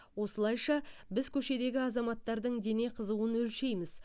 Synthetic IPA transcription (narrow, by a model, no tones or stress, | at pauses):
wo̞səlˠɑjʃɑbɪzkʲʰɵʃe̞d̪e̞ɡʲɪɑzɑmɑt̪ːɑɾd̪əɴd̪e̞ne̞qʰəzuwənɵlʃe̞jmɪz̥